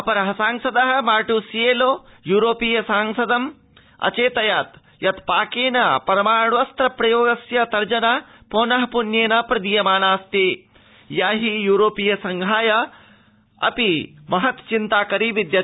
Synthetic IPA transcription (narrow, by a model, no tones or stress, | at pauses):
ɐpɐɾɐɦɐsaːŋsɐd̪ɐɦɐ̆maːʈusijeːloːjuːɾoːpijɐsaːŋsɐd̪ɐm | ɐ̰t͡ʃeːt̪ɐjaːt̪ | jɐt̪paːkeːnɐpɐɾɐmaːɳʋɐst̪ɾɐpɾɐjoːɡɐsjɐt̪ɐɾd͡ʒɐnaːpoːnɐɦɐpunjeːnɐpɾɐd̪ijɐmaːnaːst̪i | jaːɦijuːɾoːpijɐsɐŋɡʱaːjɐ | ɐ̰pimɐɦɐt̪t͡ʃint̪aːkɐɾiʋid̪jɐ